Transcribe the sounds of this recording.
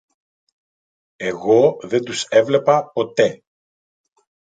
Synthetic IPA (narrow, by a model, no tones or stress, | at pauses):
e̞ɣo̞ðe̞nd̪use̞vle̞pɐpo̞t̪e̞